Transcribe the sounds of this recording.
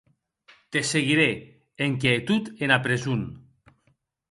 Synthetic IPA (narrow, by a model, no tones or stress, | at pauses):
t̪eseɣiɾe | eŋk̬et̪ut̪enapɾezun